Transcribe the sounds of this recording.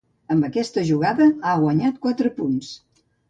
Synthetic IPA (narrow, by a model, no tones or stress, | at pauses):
əmbəkɛst̪əʒuɣ̞aðəaɣwəɲat̪̚kwat̪ɾəpuns